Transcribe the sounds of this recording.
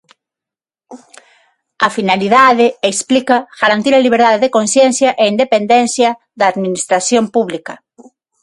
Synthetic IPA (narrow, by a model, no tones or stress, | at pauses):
afinaliðaðɪeksplikaɣ̥aɾant̪iɾaliβ̞eɾðaðeðekonsjɛnθjaʔeind̪epend̪ɛnθjɐ | ðaːðminist̪ɾaθjompuβlikɐ